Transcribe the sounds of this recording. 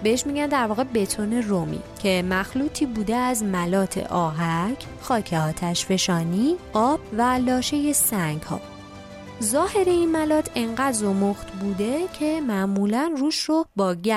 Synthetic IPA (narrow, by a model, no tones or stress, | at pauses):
be̞heʃmiːɟænd̪æɾvɒːɣe̞be̞t̪ʰone̞romḭːcʰe̞mæxluːt̪ʰiːbuːd̪eæzmælɒːt̪ʰe̞̰ʔɒːɦæcʰ | xɒːcʰe̞ɒːt̪ʰæʃfe̞ʃɒːniːʔɒːb̥vælɒːʃe̞je̞sæŋɡhɒ̰ː | zɒːhe̞ɾe̞inmælɒːt̪ʰe̞ŋɢæd̪zomoxt̪buːd̪e̞cʰe̞mæʔmuːlænruːʃrobɒːɟæ